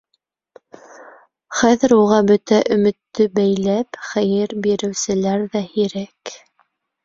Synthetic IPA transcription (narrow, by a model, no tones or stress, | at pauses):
χæðɘ̆ɾuʁɑbɵt̪æʔɵ̆mɘ̆t̪ːɵbæjlæpχæjɘɾbiɾɘ̆wsɘ̆læɾðæhiɾæk